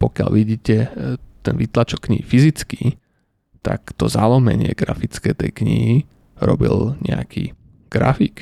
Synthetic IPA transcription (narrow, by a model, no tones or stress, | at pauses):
pɔkɪaʎʋiɟiːcɛt̪ɛnʋit̪lat͡ʃɔkːɲiɦifizit͡skiː | t̪akt̪ɔzalɔmɛɲɪɛɡɾafit͡skɛːt̪ɛjkɲiɦi | ɾɔ̰bḭlɲɛ̰akʰiː | ɡ̥ɾafik